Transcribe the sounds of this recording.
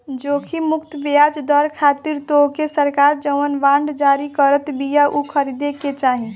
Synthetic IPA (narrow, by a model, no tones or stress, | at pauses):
d͡ʒokʰimukt̪bejad͡ʒd̪əɾkʰat̪iɾt̪okesəɾkaɾd͡ʒəwənʋãɳɖd͡ʒaɾikəɾət̪bijaʔukʰəɾid̪eket͡ʃaɦi